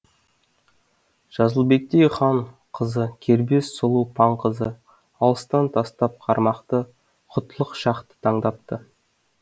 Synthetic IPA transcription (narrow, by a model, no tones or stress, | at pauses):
ʒ̥ɑzəlˠbe̞k̚t̪ejχɑɴ | qʰəzəkʲʰe̞ɾbe̞ssolˠupʰɑɴqʰəzə | ɑlˠəst̪ɑnt̪ʰɑst̪ɑp̚qʰɑɾmɑqt̪ə | qʰʊt̪ʰːəlˠəqʃɑqt̪ə̥t̪ʰɑɴd̪ɑp̚t̪ə